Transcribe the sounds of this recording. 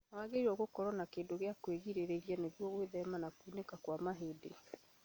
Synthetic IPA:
nawaɣeiɾɔɣokɔɾɔnakeːndoɣeakweɣiɾeɾeɣianeɣwɔɣweðɛmanakuːnekakwamaɦede

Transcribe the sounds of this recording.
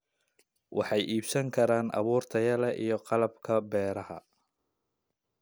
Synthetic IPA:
wʔɑ̰ħɑjʔiːbsɐŋkʰɐɾaːnʔɑ̰βuːrt̪ʰɐjɐlɛʔijɞqɑlɐbkʰɐbɛːɾɐhɐ̰

